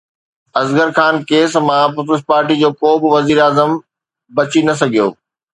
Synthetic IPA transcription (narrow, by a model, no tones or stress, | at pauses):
ɐzɡəɾxaːnkeːsmãpʊpəspaːɾʈid͡ʑoːkoːbɪ̆ʋɐziːɾaːzəm | bɐt͡ɕinɐs̬ɐɡʱijo̰ː